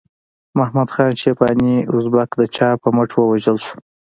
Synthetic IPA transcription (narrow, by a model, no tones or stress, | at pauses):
mahmad̪xɑnʃepɑniʊzbakd̪ət͡ʃɑpəməʈwəwaʒəlsu̥